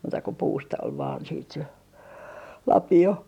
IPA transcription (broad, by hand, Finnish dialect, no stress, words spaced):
muːtɑ ko puːstɑ ol ʋɑːn siːt se lɑpio